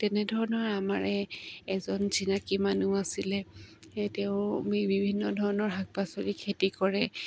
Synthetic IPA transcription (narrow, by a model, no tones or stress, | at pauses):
tɛnɛdʱɔɹɔnɔɹamaɹɛːzɔnzinakimanuasilɛtɛʊ̃bibʱinːɔdʱɔɹɔnɔɹɦaɡ̚basoɹikʰetikɔɹɛ